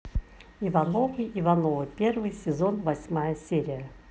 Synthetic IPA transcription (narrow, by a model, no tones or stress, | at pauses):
ɪvɐnovɨɪvɐnovɨpʲervɨjsʲɪzo̞nvɐsʲmajəsʲeɾʲɪjə